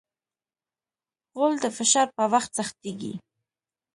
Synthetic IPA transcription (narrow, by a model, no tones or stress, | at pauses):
ɣold̪əfɪʃɑɾpəwaxt̪zaxt̪iɡḭ